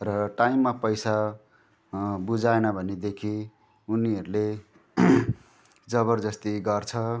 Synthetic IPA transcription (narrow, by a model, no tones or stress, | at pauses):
rʌʈaimːapʌjsa | bud͡zaenʌbʱʌned̪ekʰi | uniɦʌɾule | d͡zʌβʌrd͡zʌst̪iɡʌrt͡sʰʌ